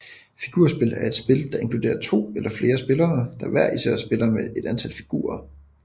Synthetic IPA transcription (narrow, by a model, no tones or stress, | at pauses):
fiɡ̥uːɐ̰sb̥e̝læɐe̝d̥sb̥e̝ld̥ɑ̈ʔe̝nŋkʰlude̝̰ːɐt͡sʰo̝̰ːelʔɐfle̝ːɐsb̥e̝lɐːd̥ɑ̈ʋæɐ̰isɛ̰ɐsb̥e̝lɐmee̝d̥ænt͡sʰælfi̥ɡ̥ṵːɐ